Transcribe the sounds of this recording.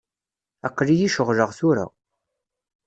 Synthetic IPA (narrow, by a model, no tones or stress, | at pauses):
æqːlijiʃəʁləʁθuɾa̰